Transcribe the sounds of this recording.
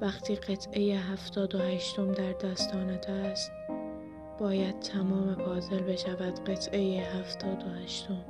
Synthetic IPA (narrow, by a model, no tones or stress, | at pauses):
væxt̪ʰiːɢe̞t̪ʰʔe̞jeɦæft̪ɒːd̪o̞hæʃt̪o̞md̪æɾd̪æst̪ɒːned̪æst̪ | b̥ɒːjæd̪̥̚t̪ʰæmɒːmebɒːze̞lbe̞ʃævæd̪̥ɢe̞t̪ʰʔe̞jeɦæft̪ʰɒːd̪o̞hæʃt̪o̞m